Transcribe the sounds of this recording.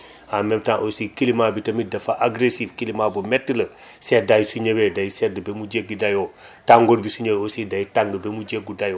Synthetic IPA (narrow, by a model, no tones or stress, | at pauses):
amemtãŋʔosiːkilimabitɐmidɐfaʔaɡɾesifkilimabumɛtːilɐ | sedajsuɲewedajsɛdəbemud͡ʒekɡ̚ɡidajo | taŋɡoːɾbisuɲewosidɐjitaŋɡəbemud͡ʒeɡ̚udajo